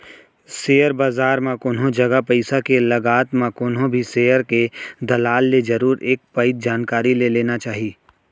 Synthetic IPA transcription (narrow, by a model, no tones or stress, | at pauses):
seːjəɾbaːzaːɾmãkʊːnɦõd͡ʒɐɡapɐɪsakelɐɡaːt̪mãkʊːnɦõbʱiseːjəɾked̪ɐlaːlːed͡ʒɐɾuːɾeːk̚pəɪt̪̚d͡ʒaːnkaːɾileleːnat͡ʃaːɦiː